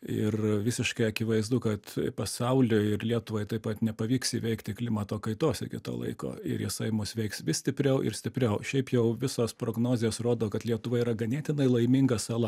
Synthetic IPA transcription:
ɪrʋʲɪsʲɪʃkɐɪɐkʲɪʋɐɪzd̪ʊkɐt̪pɐsɐʊlʲʊɪrlʲiɛt̪ʊʋoɪt̪ɐɪpɐt̪nʲɛpɐʋʲiːksiːʋʲɛɪkt̪ʲɪklʲɪmɐt̪oːkɐɪt̪oːsʲɪɡʲɪ̰t̪o̰ːlˠɐ̰ɪko̰ːɪ̰ɾjɪsɐɪmʊsʋʲɛɪksʋʲɪsʲt̪ʲɪpʲɾʲɛʊʔɪ̰ɾsʲt̪ʲɪpʲrʲɛʊʃʲɛɪpjɛʊʋʲɪsoːspɾoːɡnoːzʲesroːd̪oːkɐt̪lʲiɛt̪ʊʋɐiɾɐɡɐnʲæːt̪ʲɪnɐɪlˠɐɪmʲɪŋɡɐsɐlˠɐ

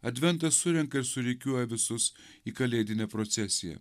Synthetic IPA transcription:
ɐd̪ʲʋʲɛnt̪ɐsːʊɾʲɛŋkɐɪɾsʊɾʲɛɪkʲuɔjɛʋʲɪsʊs | iːkɐlʲeːd̪ʲɪnʲɛpɾot̪sʲɛsʲɪjɛ̰

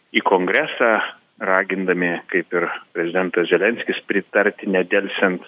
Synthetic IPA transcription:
iːkoːŋɡɾʲæːsɑ | rɑːɡʲɪnd̪ɐmʲɪkɐɪpɪrpʲɾʲɛzʲɪd̪ʲɛnt̪ɐszʲɛlʲɛnʲsʲkʲɪspʲɾʲɪt̪ɐɾʲt̪ʲɪnʲɛd̪ʲɛlʲsʲɛnt̪

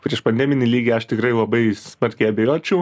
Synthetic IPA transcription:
pʲɾʲiɛʃpɐnʲd̪ʲɛæːmʲɪnʲiːlʲiːɡʲeːɐʃt̪ʲɪkɾɐɪlˠɐbɐɪsmɐɾʲkʲɛɪɐbʲejoːt͡ʃʲɛʊ

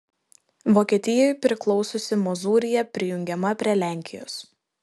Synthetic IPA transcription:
ʋoːkʲiɛt̪ʲɪjojpʲɾʲɪklˠɔʊsosʲɪmɔzuːɾʲɪjɛpʲɾʲɪjʊŋʲɡʲɛmɐpʲɾʲiɛlʲæˑŋʲkʲʰɪjo̰ːs

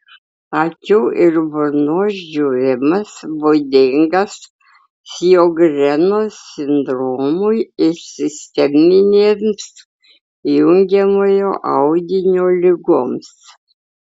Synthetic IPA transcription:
ɐkʲuːʔɪɾbʊɾnoːʃd͡ʒʲuːɾʲɪmɐsbod̪ʲɪŋɡɐs | sjoːɡɾʲɛnoːsʲɪnd̪ɾoːmʊjɪsʲɪsʲt̪ʲɛmʲɪnʲeːms | jʊŋʲɡʲɛmoːjoːʔɐʊɡʲɪnʲoːlʲɪɡoːms

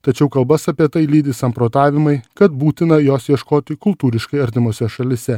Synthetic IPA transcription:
t̪ɐt͡ʃʲɛʊkɐlˠbɐsɐːpʲiɛt̪ɐɪlʲiːd̪ʲɪsɐmpɾoːt̪ɑːʋʲɪmɐɪkɐt̪buːt̪ʲɪnɐjoːsjiɛʃkoːt̪ʲɪkʊlˠt̪uːɾʲɪʃkɐɪɐɾʲt̪ʲɪmoːsʲɛʃɐlʲɪsʲɛ

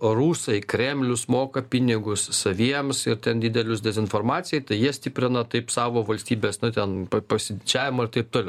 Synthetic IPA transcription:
ruːsɐɪkɾʲɛmʲlʲʊsmoːkɐpʲɪnʲɪɡʊssɐʋʲiɛmsɪɾt̪ʲɛnd̪ʲɪd̪ʲɛlʲʊsd̪ʲɛzʲɪnfoːrmɑːt̪t͡ssʲɪjɛɪt̪ɐɪjiɛsʲtʲɪpʲɾʲɪnɐt̪ɐɪpsɑːʋoːʋɐlʲsʲt̪ʲiːbʲeːsnʊt̪ʲɛnpɐpɐsʲɪd̪ʲɪt͡ʃʲæːʋʲɪmɐɪrt̪ɐɪp̚t̪oːlʲɛʊ

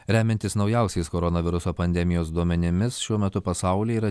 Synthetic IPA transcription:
ɾʲæːmʲɛnʲt̪ʲɪsnɒʊjɛˑʊsʲɛɪskoːɾonɐʋʲɪɾʊsoːpɐnʲd̪ʲɛmʲɪjoːs̬d̪uɔmʲɛnʲɪmʲɪsʃʲuɔmʲɛt̪ʊpɐsɑˑʊlʲiiːɾɐ

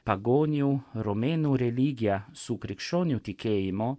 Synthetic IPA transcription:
paɡoːnjuɾɔmenuɾɛliːɡijasukɾikʃɔnjut̪ikʰejimɔ

